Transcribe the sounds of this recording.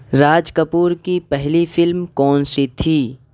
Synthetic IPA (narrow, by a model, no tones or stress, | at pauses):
ɾaːd͡ʒkəpuːɾkipɛɦlifɪlmkɔːnset̪ʰiː